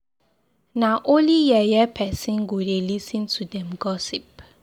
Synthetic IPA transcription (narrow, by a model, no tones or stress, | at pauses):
naʔõnlijɛjɛpʰɛsĩnɡodelisə̃ntʰudɛ̃mɡɔsip̚